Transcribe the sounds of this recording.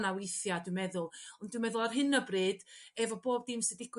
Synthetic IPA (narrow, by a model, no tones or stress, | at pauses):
nawɪjθjadwɨmɛðʊlˠɔndwɨmɛðʊlˠarɦɨnəbriːd̥ɛvɔboːb̚dɪmsɨdɪɡ